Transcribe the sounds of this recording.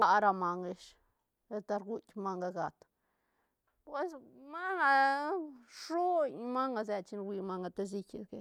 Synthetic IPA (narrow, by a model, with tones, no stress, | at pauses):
la˧ɾa˧ma˨ŋɡe˧ʃ | e˧t̪a˧ɾɡu˦t̪ʲma˧ŋɡa˧ɡa˨t̪ | pwe˧sma˦ŋa˧ | ʂu˦ɲma˦ŋɡa˧ze˧t͡ʃi˧nwi˧ma˧ŋɡa˧t̪e˧z̬i˧kʲe˧ke˧